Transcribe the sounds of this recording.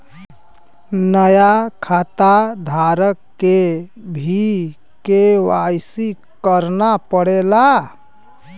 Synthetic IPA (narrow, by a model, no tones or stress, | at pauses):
nəjakʰat̪ad̪ʱaɾəkːebʱi | kewajsi | kəɾnapəɽela